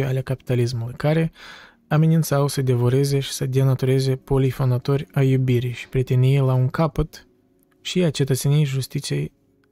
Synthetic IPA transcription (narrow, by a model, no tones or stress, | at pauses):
jale̞kapi̥t̪alis̬mulujkaɾe̞ | ame̞nint̪sawsəd̪e̞voɾe̞ze̞ʃi̥səd̪e̞nat̪uɾe̞ze̞po̞lifo̞nd̪at̪o̞rʲajubiɾijʃi̥pɾet̪enijelaunkapət̪ | ʃiat͡ʃe̞t̪ət̪senijejʒust̪it̪sijḛj